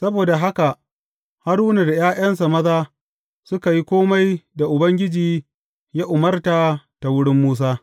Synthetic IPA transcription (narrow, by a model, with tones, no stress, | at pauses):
sɐ˦boː˨da˨ɦa˦ka˨ʔ | ha˦ɾuː˦na˨da˨j̰aː˦jʔɐ˦ns̬a˨mɐ˦zaː˦ | sʊ˦ka˨ji˦kʷoː˦ma˦jda˨ʔʊ˨bɐ˦ŋɡʲɪ˦d͡ʒiː˨ | ja˦ʔʊ˨mɐ˦rta˨ta˨wʊ˦ɽɪ˦mːuː˦s̬aː˦